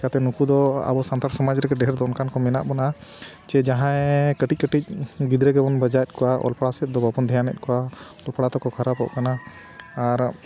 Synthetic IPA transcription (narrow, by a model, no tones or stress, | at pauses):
at̪ɛnukud̪ɔa̰bɔsant̪aɾsɔmad͡ʒɾɛɡɛɖɛɦɛɾd̪ɔʔɔnkankɔmɛna̰ʔbɔnat͡ʃɛd͡ʒaɦãɛkəʈic̚kəʈic̚bid̪ɾɛɡɛbɔnbəd͡ʒajɛt̪̚kɔwaʔɔ̰lpaɽasɛt̪̚ˀd̪ɔbapɔnd̪ʱɛjanɛ̰t̪̚ˀkɔwa | ɔlpaɽat̪ɔkɔkʰaɾapɔ̰ʔkanaː | ɾ